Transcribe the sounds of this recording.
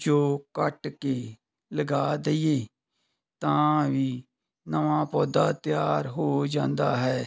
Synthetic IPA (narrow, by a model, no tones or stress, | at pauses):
d͡ʒoːkəʈkeː | ləɡaːd̪əiːeː | t̪ãːʋiː | nəʋãːpɔːd̪aːt̪jaːɾɦoːd͡ʒãːnd̪aːɦɛː